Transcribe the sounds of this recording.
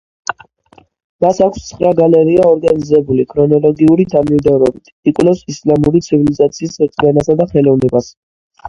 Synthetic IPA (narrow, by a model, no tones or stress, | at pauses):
masakʰʷst̪sʰχɾaɡalɛɾiaɔɾɡanizɛbulikʰɾɔnɔlˠɔɡiuɾid̪ʰamid̪ɔɾɔbit̪ʰikʼwlɛfsislamuɾit̪sʰivilizat̪sʰiːsɛt̪ʼʰianasad̪aχɛlɔvnɛbas